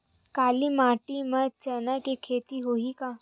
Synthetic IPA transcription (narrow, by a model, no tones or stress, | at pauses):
kaːlimaːʈimət͡ʃɐnakekʰeːt̪iɦoːikaː